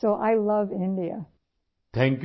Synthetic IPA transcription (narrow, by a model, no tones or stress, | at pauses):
oʊʔaɪlʌvɪ̃ndiɨ̰ | t̪ʰæ̃ŋk